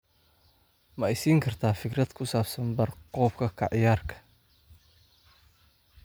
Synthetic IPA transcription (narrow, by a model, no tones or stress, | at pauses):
mɐɛjsiːŋkʰɐrt̪ʰaːfɪkrɐd̪̥kʰʊsaːbsɐnbɐrqɔːb̚kʰɐkʰɐ̰ʕɪjaːrkʰɐ̥